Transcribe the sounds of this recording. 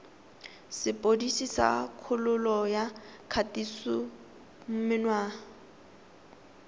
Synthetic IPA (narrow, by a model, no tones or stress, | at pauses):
sɪpʼodisisa̰kʰʊlʊlɔjakʰatisʊ | m̩mɪnwaː